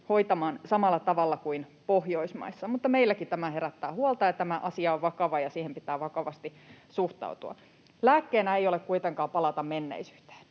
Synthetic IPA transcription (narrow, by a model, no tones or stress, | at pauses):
ho̞it̪ɑmɑːnsɑmɑlːɑt̪ɑʋɑlːɑkuinpohjoismɑ̰isːɑmut̪ːɑmeilːækit̪æmæheɾæt̪ːæːhuɑlt̪ɑjɑt̪æmæʔɑsiɑoʋʋɑkɑʋɑjɑsiːhempit̪æːʋɑkɑʋɑst̪i | suht̪ɑ̰ut̪uɑ̰ | læːkːeːnæeijolekkuit̪eŋkɑːpɑlɑt̪ɑmmenːḛisy̥ːt̪e̥ːn